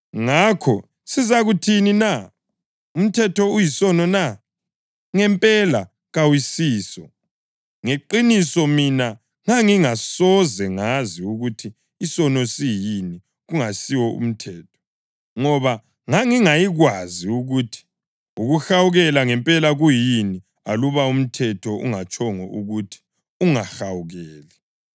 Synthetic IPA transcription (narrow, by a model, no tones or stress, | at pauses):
ŋakʰɔ | sizaɣutʰinina | um̩tʰɛtʰɔujisɔnɔna | ŋɛmpʼɛla | ɣawisiːsɔ | ŋeǃinisɔmina | ŋaŋiŋasɔzɛŋaziuɣutʰiː | sɔnɔsijini | ɣuŋasiwɔṵm̩tʰɛːtʰɔ̥ | ŋɔβa | ŋaŋiŋajiɣwaziuɣutʰi̥ | uɣuxawuɣɛlaŋɛmpʼɛlaɣujini | aluβaum̩tʰɛtʰɔṵŋat͡ʃʼɔŋɔ̰ʔuɣutʰi̥ | uŋaxawuɣɛːlɛ